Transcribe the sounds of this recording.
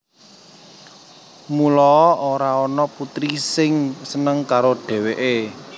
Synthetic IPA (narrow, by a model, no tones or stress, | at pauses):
mulɔʔoɾaɔnɔput̪ɾisɪŋsənəŋkaɾoɖ̥ɛ̤weʔe